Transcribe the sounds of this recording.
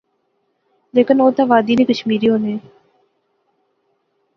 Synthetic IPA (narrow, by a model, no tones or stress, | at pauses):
leːkənoːt̪aːʋaːd̪iːneːkəʃmiːɾiːɦoːneː